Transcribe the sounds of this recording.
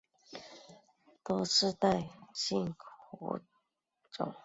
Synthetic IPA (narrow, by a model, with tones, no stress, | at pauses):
t̪wɔ˥ʂɻ̩˥˧t̪a˥˩ɪɕi˥˩ŋkɔ̰˧˥˦ | ʈ͡ʂʊ̰˨˩˦ŋ